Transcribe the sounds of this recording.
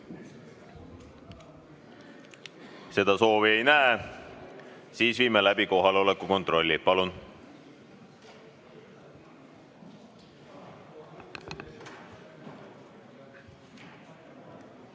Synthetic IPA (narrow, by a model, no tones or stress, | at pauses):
se̞d̪̥ɑso̞ːvie̞jnæe | siːsviːmelæbiko̞ɦɑleo̞lekːˑuko̞nt̪ro̞lʲːipɑlun